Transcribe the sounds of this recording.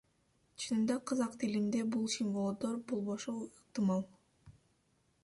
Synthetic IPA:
t͡ʃʰɯnɯnd̪ɑqʰɑzɑqt̪ʰilimd̪e̞bulˠʃinvolˠod̪oɾbulˠβoʃoiq̚t̪ɨmɑlˠ

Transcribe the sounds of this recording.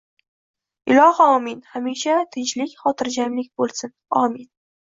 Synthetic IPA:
ɪlɒhɒmɪnhamiʃat̪ʰɪnt͡ʃlɪkʲχɒt̪ʰɪɾd͡ʒamlɪk̚ʲbolˠsɪnɒmɪn

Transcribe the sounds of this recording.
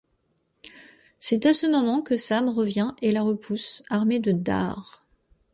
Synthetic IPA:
sɛt̪asəmɔmɑ̃kəsamʁəvjɛ̃ʔelaʁəpʰusaʁmed̪əd̪a̰ʁ

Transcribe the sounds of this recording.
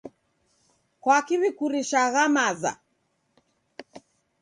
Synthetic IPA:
kwakiβikuɾiʃaɣamaza̰

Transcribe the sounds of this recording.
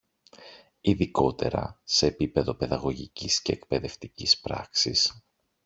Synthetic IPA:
iðiko̞t̪e̞ɾɐ̰se̞ːpipe̞ðo̞pe̞ðɐɣo̞ʝicisce̞ːkpe̞ðe̞ft̪icispɾɐ̰ksis

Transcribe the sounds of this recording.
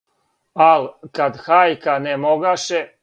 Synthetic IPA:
alkad̪xaːjkanemoɡaʃe

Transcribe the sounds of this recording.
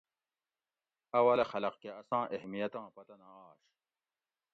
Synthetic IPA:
ɐwɐlexɐlɐqkeɐsɑ̃ːʔehmijɐt̪ɑ̃ːpɐt̪ɐnaːɕ

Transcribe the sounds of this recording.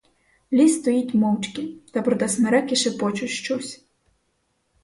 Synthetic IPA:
lʲist̪ɔjitʲmɔwt͡ʃkʲit̪ɐpɾɔd̪ɐsnɐɾɛkʲɪʃɪpɔt͡ʃʊʃt͡ʃɔsʲ

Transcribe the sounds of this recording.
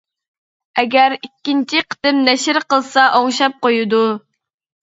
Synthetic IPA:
ɛɡʲæɾikʲːint͡ʃʰiqʰə̥t̪ɪmnɛʃɪɾqəlˠsɑʔoŋʃɑp̚qojud̪u

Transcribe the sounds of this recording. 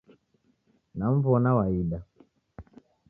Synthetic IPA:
nam̩vɔnawaiɗa

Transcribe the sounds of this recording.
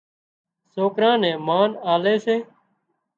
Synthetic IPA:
soːkɾãːnɛ̃ːmaːnaːleːseː

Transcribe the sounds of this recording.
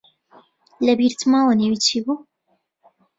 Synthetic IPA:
lɛbiɾt̪ʰmaːwəneːwit͡ʃʰiːbuː

